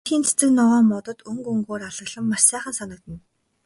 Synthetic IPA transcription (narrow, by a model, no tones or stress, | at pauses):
xiːnt͡sʰe̥t͡sɘ̆knɔɔːmɔt̪ɞ̆t̪ɵŋkɵŋɡoːraɮə̆ɣɮə̆mːaʃsæːχə̆nsanə̆k̚t̪ə̆n